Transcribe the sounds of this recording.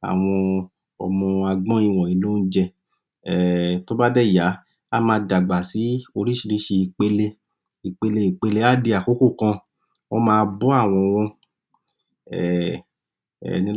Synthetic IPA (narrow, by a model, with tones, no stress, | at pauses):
a̰˨w̃ɔ̃˧ | ɔ̰˧mɔ̃˧a˧ɡ͡bɔ̃˦i˧w̃ɔ̃˨i˨˦lu˦n̩˦d͡ʒɛ˧ | ɛ˨to˦ba˦dɛ˦˨ja˨˦ | a˦mãː˧da˨ɡ͡ba˨si˨˦o˧ɾi˦˨ʃi˧ɾi˦ʃe˧i˧˨k͡pe˧le˧ | i˨k͡pe˧le˧i˨k͡pe˧le˧˦a˦˨de˧a˨ko˨˦ko˦˨kã˧ | ɔ˦mãː˧bɔ˦a˦˨w̃ɔ̃˧wɔ̃˧ | ɛ˨ | ɛ̰˨nĩ˧˦